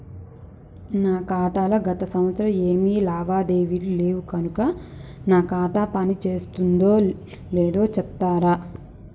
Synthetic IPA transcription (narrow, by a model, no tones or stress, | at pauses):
naːkaːt̪aːlɐɡɐt̪ɐsɐmɐt̪sɐɾɐeːmiːlaːʋaːd̪e̞ːʋiʈile̞ːwukɐnukɐnaːkaːt̪aːpɐnit͡ʃe̞ːst̪und̪o̞ː | leːd̪o̞ːt͡ʃɛpt̪aːɾaː